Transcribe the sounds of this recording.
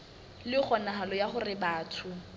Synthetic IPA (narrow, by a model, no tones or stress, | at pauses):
lɪχɔnaɦalɔjaχʊrɪbaːtʰʊ